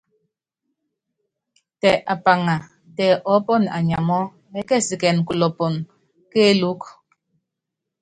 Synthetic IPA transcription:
tɛ˨ʔa˨pa˨ŋa˨ | tɛ˨ʔɔ˨˦pɔ˦˨na̰˨ɲa˨mɔ˦ | ɛ˦kɛ˦˨si˨kɛ˨n˨ku˨lɔ˨pɔ˨n | ke˦lu˨˦k

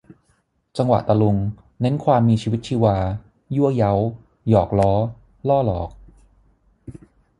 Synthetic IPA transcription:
t͡ɕa˧ŋwa̰˨˩ʔt̪a˧lu˧ŋ | ne˦˥nkʰwaː˧mːiː˧t͡ɕʰiː˧wi˦˥t͡ɕʰiː˧waː˧ | ju˥˩əja˦˥w | jɔː˨˩k̚lɔː˦˥ | lɔː˥˩lɔː˨˩k̚

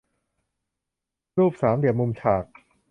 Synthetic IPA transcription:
ɾuː˥˩p̚saː˩˦md̪i˨˩əmu˧mt͡ɕʰaː˨˩k̚

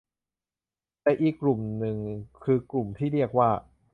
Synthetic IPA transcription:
t̪ɛː˨˩ʔiː˨˩kːlu˨˩mnɯ˨˧ŋkʰɯː˧klu˨˩mt̪ʰiː˥˩ɾi˥˩ək̚waː˥˩

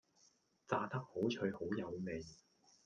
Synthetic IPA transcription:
t͡saː˧t̪ɐ˥k̚ho˨˥wt͡ʃʰɵ˨˧ɥho˨˥wjɐ˨˧wme˨˩j

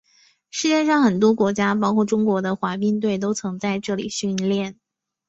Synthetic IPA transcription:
ʂɻ̩˥˧t͡ɕjɛ˥˧ʂɑ˥˩ŋxə˨˩nt̪wɔ˥kwɔ˧˥t͡ɕja˥p̬ɑ˥kʰwɔ˥˩ʈ͡ʂʊ˥ŋkwɔ˧˥d̪ə˧xwa˧˥pi˥ŋt̪̬we˥˩ɪt̪̬o˥ʊt͡sʰɤ˧˥ŋt͡sa˥˧ɪʈ͡ʂɤ˥˩lḭ˨˩ɕy˥˧nljɛ˥˩n

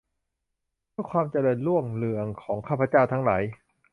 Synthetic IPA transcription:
bɯ˥˩kʰwaː˧mt͡ɕa˧lɤː˧nlu˥˩əŋlɯ˨˩əŋkʰɔː˩˦ŋkʰaː˥˩pʰa˧˦t͡ɕaː˥˩wt̪ʰa˦˥ŋlaː˩˦j

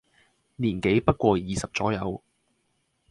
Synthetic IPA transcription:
niː˨˩nke˨˥jpɐ˥t̚kʷɔː˧jiː˨sɐ˨p̚t͡sɔː˨˥jɐ˨˧w

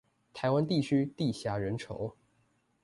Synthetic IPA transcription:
t̪ʰa˧˥ɪwa˥nt̪i˥˩t͡ɕʰy˥t̪i˥˩ɕja˧˥ɻə˧˥nʈ͡ʂʰo̰˧˥˦ʊ

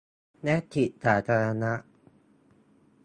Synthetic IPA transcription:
nɛ˦˥t̪ʰːi˨˩t̚saː˩˦t̪ʰaː˧ɾa˧na˦˥ʔ

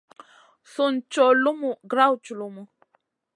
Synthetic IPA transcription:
su˨n̩˨˦t͡ʃɔ˨lu˦mu˨ɡɾa˦wt͡ʃu˨lu˦mu˨

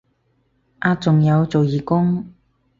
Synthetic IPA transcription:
ʔaː˧t͡sʊ˨ŋjɐ˨˧wt͡so˨wjiː˨kʊ˥ŋ

